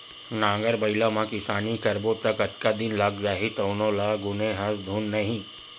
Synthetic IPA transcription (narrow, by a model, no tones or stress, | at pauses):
nãːŋɡəɾbɐɪlamãkɪsaːnikɐɾbot̪ɐkɐʈkad̪ɪnlaɡɾaːɦit̪ɐːnõlaːɡʊneɦɐ̃sd̪ʱuːnːɐɦĩ